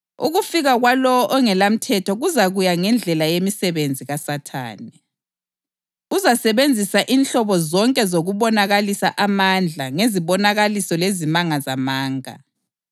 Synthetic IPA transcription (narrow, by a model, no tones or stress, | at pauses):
ṵɣufiɣaɣwalɔɔʔɔŋɛlam̩tʰɛtʰɔɣuzaɣujaŋɛnd͡ɮʱɛlajemisɛβend͡zʱiɣasatʰa̰ːnɛ | uzasɛβend͡zʱisaʔinɬɔβɔzɔŋkʼɛzoɣuβɔnaɣalisa̰ʔamand͡ɮʱaŋeziβɔnaɣalisɔlezimaŋazamaːŋa̰